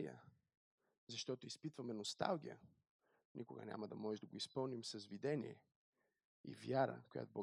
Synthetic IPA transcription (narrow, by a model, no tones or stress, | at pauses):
iə̰ | zɐʃt̪ɔt̪oispit̪vɐmɛnost̪a̰lˠɡʲijə̰ | nʲʔikʊɡə̰nʲa̰mɐd̪ɐmɔʒɛd̪ɐɡoispɤlˠnimsɐzvid̪ɛnʲḭɛ̰ | ḭvjaɾə̰koja̰t̪obɔ